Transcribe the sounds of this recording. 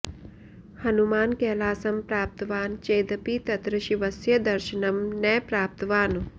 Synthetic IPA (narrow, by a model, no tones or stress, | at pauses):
hɐnumaːnkɛːlaːsɐmpɾaːp̚t̪ɐʋaːnt͡ʃeːd̪ɐpit̪ɐt̪ɾɐʃiʋɐsjɐd̪ɐɾʃɐnɐmnɛːpɾaːp̚t̪ɐʋaːn